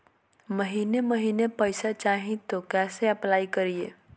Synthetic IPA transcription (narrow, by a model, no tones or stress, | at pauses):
məɦineməɦinepəjsat͡ʃaɦĩt̪okɛseəplaikəɾije